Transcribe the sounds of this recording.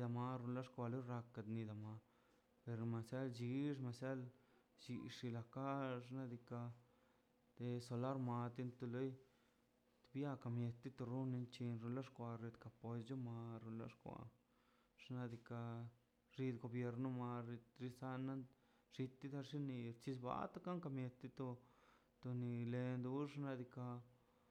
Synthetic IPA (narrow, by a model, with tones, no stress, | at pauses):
d̪a˧ma˧ɾu˧nla˦ʂkʷa˧lo˦ɾa˧ka˧d̪ni˧d̪a˨ma˧ | pe˧ɾma˧sja˦ld͡ʒi˧ʐ̬ma˨sja˦l | t͡ʃi˧ʂi˧la˧ka˦ʐna˦d̪i˧ka˧ | d̪̥e˧so˧la˦ɾma˧t̪i˧˦nt̪u˧lo˦j | t̪bja˦ka˧mje˧t̪ːi˦t̪o˧ɾu˦ni˧nt͡ʃi˧nɾu˧la˦ʂkʷa˧ɾe˧d̪ka˧po˧sd͡ʒo˦ma˧ɾu˧nla̰˦ʂkʷa̰˧ | ʐ̥na˧d̪i˧ka˧ | ʐi˧d̪ɡo˧bje˧ɾno˧ma˧ɾɾi˧sa˧na˦n | ʐ̥i˧t̪ːi˦d̪a˧ʂi˦ni˧ɾt͡ʃi˧sba̰˧˦t̪a˦ka˦ŋka˧mje˧t̪i˧t̪o˧ | t̪o˧ni˧le˧nd̪u˧ʂna˧d̪i˧ka˧